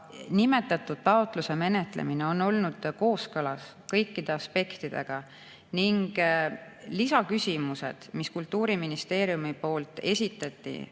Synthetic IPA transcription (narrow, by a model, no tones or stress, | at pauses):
nime̞t̪ːˑɑt̪ːˑud̪̥̚t̪ɑot̪ˑluse̞me̞ne̞t̪ˑlḛmineo̞nːo̞lnud̪̥ko̞ːskɤlɑs | kɤjkːid̪̥e̞ɑspe̞kt̪id̪̥e̞̰ɡ̥ɑ | niŋɡ̥ | lisɑkysʲimuse̞̰d̪̥miskult̪ːuːɾiminist̪e̞ːɾjumipo̞ːlt̪ˑe̞̰sʲit̪ːˑɑt̪ːḭ